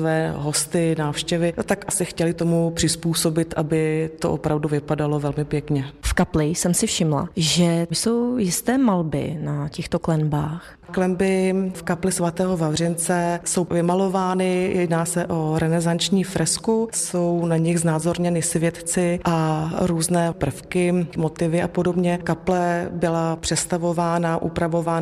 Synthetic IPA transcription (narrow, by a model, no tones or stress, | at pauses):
vɛːɦo̞st̪ɪnaːfʃcɛvɪnot̪akʔasɪxcɛlɪt̪o̞mupr̥ɪspuːso̞bɪt̪ʔabɪt̪o̰ʔo̰pɾʔavduvɪpadalo̞vɛlmɪpjɛkɲɛfkaplɪsɛmsɪfʃɪmla̰ʒɛso̞wjɪst̪ɛːmalbɪ̰nacɛxt̪oklɛnbaːx | klɛmbɪfkaplɪsvat̪ɛːɦo̞vavr̝ɪnt͡sɛso̞wvɪmalo̞vaːnɪjɛdnaːsɛʔo̞ɾɛnɛzant͡ʃɲiːfɾɛskuso̞wnaɲɪɣznaːzo̞ɾɲɛnɪsvjɛt̪t͡sɪʔaɾuːznɛːpr̩fkɪmot̪ɪvɪapodobɲɛkaplɛbɪlapr̝̥ɛst̪avo̞vaːnaʔṵpɾavo̞vaːn